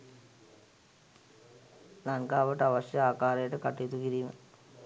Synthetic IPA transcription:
nɐnkaːʋɐʈːɐʋɐʂjɐaːkaːɾɐjʈːɨkɐʈːit̪ːukiɾimɐ̰

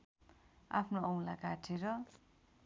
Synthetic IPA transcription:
a̰pʰnoʌw̃lakaʈʰeɾʌ

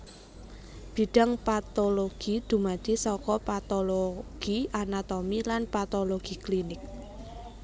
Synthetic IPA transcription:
b̥i̤ɖ̥a̤ŋpat̪oloɡ̥id̪̥ṳmad̪̥isɔkɔpat̪oloɡ̥iʔanat̪omilanpat̪oloɡ̥iklinɪk̚

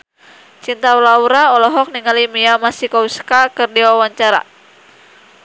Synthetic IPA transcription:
t͡ʃint̪awlauɾaɔlɔɦɔk̚niŋalimiamasikɔuskakɨrdiwawaɲt͡ʃaɾa̰

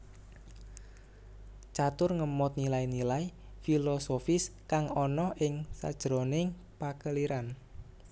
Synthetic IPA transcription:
t͡ʃat̪ʊrŋəmɔt̪̚nilajnilaj | filosofɪskaŋɔnɔhʔɪŋsa̰d̥ʒ̥ɾonɪŋ | pakəliɾan

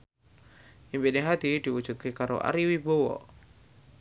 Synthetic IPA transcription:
ʔimpineɦad̪id̪̥iwu̥ʒ̥ut̪̚kekaɾo̰ʔa̰ɾiwibowɔ̰

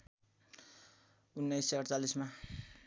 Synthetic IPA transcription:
unːajseʌɽt͡salisma

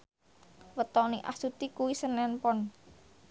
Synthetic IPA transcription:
wət̪ɔniʔa̰sut̪ikuwisənɛnpɔn

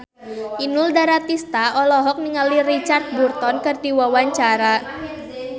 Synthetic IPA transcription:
ʔinʊldaɾat̪ist̪aɔlɔɦɔk̚niŋalirit͡ʃard̪̚burt̪ɔnkɨrdiwawaɲt͡ʃaɾa

